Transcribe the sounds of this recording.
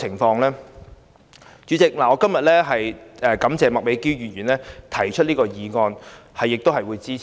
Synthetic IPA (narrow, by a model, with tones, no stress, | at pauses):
ɪ˨˩ŋfɔː˧ŋlɛː˥ | t͡ʃyː˨˧t͡sɪ˨k̚laː˨˩ɔː˧kɐ˥mjɐ˨t̚lɛː˥ɦɐ˨jɛː˨˩kɐ˨˧˥mt͡sɛː˨mɐ˨k̚me˨˥jkiː˥wjyː˨˩jyː˨˩nlɛː˥t̪ʰɐ˨˩jt͡ʃʰɵ˥t̚liː˥kɔː˧jiː˨˧ŋɔː˧nhɐ˨jːɪ˨k̚t̪o˥wɦɐ˨jwuː˨˧jt͡siː˥˨